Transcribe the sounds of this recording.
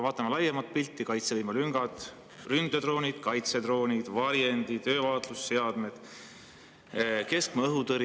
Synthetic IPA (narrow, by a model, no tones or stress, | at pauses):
vɑːt̪ːˑɑmɑlɑjɑmɑt̪̚pilt̪ːˑikɑjt̪sevijmɑlyŋɡ̥ɑt̪ˑ | rynd̪ed̪ro̞ːnʲid̪̥kɑjt̪se̞d̪ro̞ːnʲid̪̥vɑɾjend̪it̪ø̞ːvɑːt̪lusːe̞ɑd̪̥me̞d̪̥ | ke̞skmɤɦut̪ɤɾ